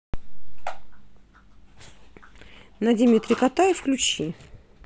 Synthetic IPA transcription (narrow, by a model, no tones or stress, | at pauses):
nad̪ʲimʲit̪ɾʲɪkat̪ajɪfklʲut͡ɕi